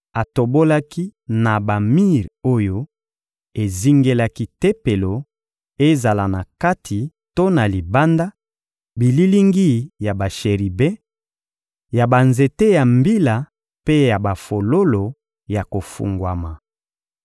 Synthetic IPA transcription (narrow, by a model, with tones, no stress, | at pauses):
a˨to˨bo˦la˦ki˦na˨ba˨mi˦ʁo˦jo˦ | e˨zi˦ŋɡe˦la˦ki˦te˦pe˨lo˨ | e˦za˨la˨na˨ka˦tʰi˨ | to˦na˨li˨ba˦nda˦ | bi˨li˦li˦ŋɡi˦ja˨ba˨ʃe˨ʁi˨bɛ̃˦ | ja˨ba˨nze˨te˦ja˨mbi˦la˨ | pe˦ja˨ba˨fo˨lo˦lo˨ | ja˨ko˨fṵ˨ŋɡwa˨ma˨